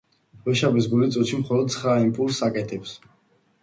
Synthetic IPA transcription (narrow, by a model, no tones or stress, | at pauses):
bɛʃabisɡulit̪sʼut̪ʃimχɔlɔd̪̚t̪sʰχɾaimpʼulˠsakʼɛt̪ʰɛps